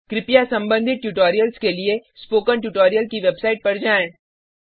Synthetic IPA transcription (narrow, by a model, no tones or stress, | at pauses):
kɾɪpijasɐ̃mbə̃nd̪ʱɪt̪̚ʈuːʈoːɾijəlskeliespoːkənʈjuːʈoːɾijəlkiʋebsaːɪʈ̚pɐɽd͡ʒaːẽ